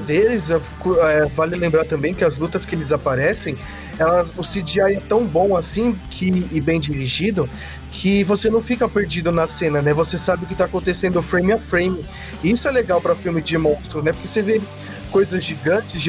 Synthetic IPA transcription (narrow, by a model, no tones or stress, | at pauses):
d̪elɪzɛ | kɛvalɪlẽmbɾaɾt̪ɐ̃mbẽj̃kɪɐzlut̪ɐskelɪzapaɾɛsẽj̃ | ɛlɐzʊsid͡ʒiajɛt̪ɐ̃w̃bõw̃asĩkʰɪːbẽj̃d͡ʒiɾiʒid̪ʊ | kʰɪvosenɐ̃w̃fikɐpeɾd͡ʒid̪ʊnɐsẽnɐnɛvosesabɪʊkɪt̪akõnt̪esẽnd̪ʊfɾẽj̃mɪafɾẽjmɪ | ɪisʊɛleɡawpɾɐfiwmɪd͡ʒɪmõst̪ɾʊznɛpoɾkeseve | kojzɐzʒiɡɐ̃t͡ʃɪz